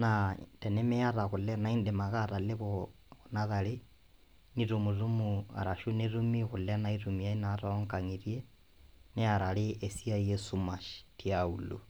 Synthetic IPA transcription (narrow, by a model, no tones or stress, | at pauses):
natenemeaɾaɣulenaindemaɣaɾaleβo | naðali | niɾumurumua̰ɾaʃunerumiɣulenaiɾumiainaɾaoŋkaŋiɾje | neaɾaliesiajesumaʃi̥tiaulṵ